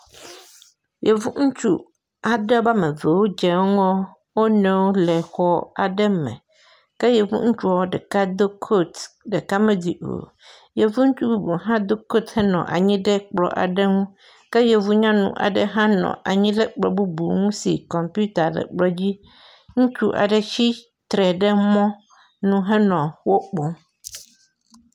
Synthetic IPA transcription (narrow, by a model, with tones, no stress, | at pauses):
je˨vu˦ŋ̩̃˦t͡ʃṵ˦ | a˨ɖɛ˦ba˦mɛ̃˨ve˨wo˦d͡ʒɛ˨˦ŋɔ̃˦ | wo˦nɛ̃˦wo˦lɛ˨xɔ˦a˨ɖɛ˦mɛ̰̃˨ | kɛ˦je˨vṵ˦ŋ̩˦t͡ʃu˦a˨˦wo˦ɖɛ˨ka˦d̪o˦kʰo˦t̪ | ɖe˨ka˦mɛ̃˦di˨o̰˨ | je˨vu˦ŋ̩̃˦t͡ʃu˦bu˦bu˨ɦã˦d̪o˦ko˦t̪hɛ˦nɔ̰̃˨ʔa̰˨ɲĩ˦ɖe˦k͡plɔ̰˨˦ʔa̰˨ɖɛ˦ŋũ˦ | kɛ˦jɛ˨vu˦ɲã˦nṵ̃˨ʔa̰˨ɖɛ˦ɦã˦nɔ̰̃˨ʔa˨ɲĩ˦ɖɛ˦k͡plɔ̰˨bu˦bu˨ŋũ˦si˨kɔ˨mpu˦t̪a˨ɖɛ̰˨k͡plɔ˦d͡ʑi˦ | ŋũ˦t͡ʃu˦ʔa̰˨ɖɛ˨t͡ɕi˦ | t̪ɾɛ˨ɖɛ˦mɔ̃˦ | nũ˨ɦɛ˦nɔ̃˨wo˦k͡pɔ˦